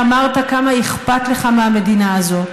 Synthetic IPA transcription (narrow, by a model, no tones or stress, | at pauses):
amaʁt̪akamaeχpat̪leχameame̞d̪inaːzo̞t